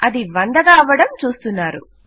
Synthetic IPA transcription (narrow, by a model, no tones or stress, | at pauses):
ɐd̪iʋɐɳd̪ɐɡaːɐʋːɐɽɐmt͡ʃuːst̪unːaːɾṵ